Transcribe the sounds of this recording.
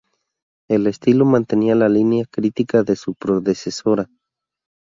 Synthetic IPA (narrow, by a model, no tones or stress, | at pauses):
elest̪ilomãnt̪enialalinjakɾit̪ikaðesupɾoðesesoɾa